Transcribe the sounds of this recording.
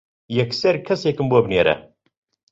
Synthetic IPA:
jɛksɐɾkʰɐseːkɨmboːbnjeɾɛ̰

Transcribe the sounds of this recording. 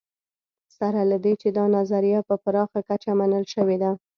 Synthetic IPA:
saɾalad̪et͡ʃed̪ɑnazaɾijapəpaɾɑxakat͡ʃamanəlʃəwed̪a

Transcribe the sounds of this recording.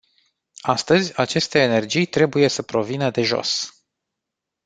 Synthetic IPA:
ast̪əzʲat͡ʃe̞st̪e̞ːne̞rd͡ʒijt̪ɾe̞buje̞səpɾo̞vinəd̪e̞ʒo̞̰s

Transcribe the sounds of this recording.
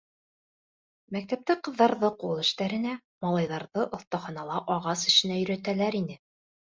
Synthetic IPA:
mæk̚t̪æp̚t̪æqɤ̆ðːɑɾðɤqulˠɘ̆ʃt̪æɾɘ̆næ | mɑlˠɑjðɑɾðɤʔŏθt̪ɑχɑnɑlˠɑʔɒʁɑsɘ̆ʃɘ̆næjɵ̆ɾæt̪ælæɾinɘ

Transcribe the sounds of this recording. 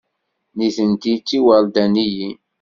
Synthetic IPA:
niθənt̪it͡sːiwəld̪æniji

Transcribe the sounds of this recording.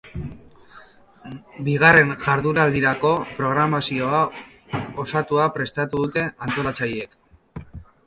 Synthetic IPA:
biɣ̞are̞nʝaɾðuɾald̪iɾako̞pɾo̞ɣ̞ɾamasio̞a | osat̪uapɾe̞st̪at̪uðut̪e̞ant̪o̞lat͡saje̞k

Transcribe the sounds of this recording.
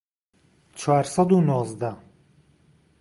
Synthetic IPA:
t͡ʃʰaːɾsɐd̪unozd̪a

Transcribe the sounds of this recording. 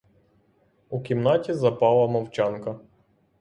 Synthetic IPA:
ukʲimnɑtʲizɐpɑlˠɐmɐwt͡ʃɑnkɐ

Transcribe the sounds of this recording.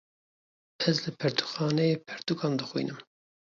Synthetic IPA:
ɛzlɨpʰɛɾt̪u̥xɑːnɛjeːpʰɛɾt̪ukʰɑːmd̪ɨxwḭnɨm

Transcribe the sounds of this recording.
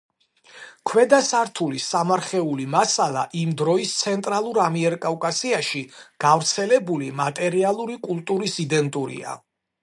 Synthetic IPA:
kʰwɛd̪asaɾt̪ʰulisamaɾχɛulimasalˠa̰ʔimd̪ɾɔist̪sʰɛnt̪ʼɾalˠuɾamiɛɾkʼavkʼasiaʃiɡ̥avɾt̪sʰɛlɛbulimat̪ʼɛɾialˠuɾikʼulˠt̪ʼuɾisid̪ɛnt̪ʼuɾḭa̰

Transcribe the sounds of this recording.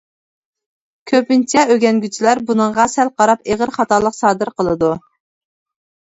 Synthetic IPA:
kʲʰøpɪnt͡ʃʰjɛøɡʲɛnɡʲyt͡ʃʰilæɾbunɨɴʁɑsælqɑɾɑpeʁəɾχɑt̪ɑlˠəqsɑːd̪ɨɾqʰəlˠɨd̪u

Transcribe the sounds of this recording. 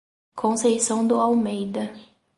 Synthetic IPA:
kʰõsejsɐ̃w̃d̪ʊawmejd̪ɐ

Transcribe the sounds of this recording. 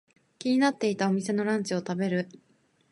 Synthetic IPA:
kʲiɲ̟inat̪ːe̞it̪ao̞mʲise̞no̞ɾãɲ̟t͡ɕio̞t̪abe̞ɾɯ̟

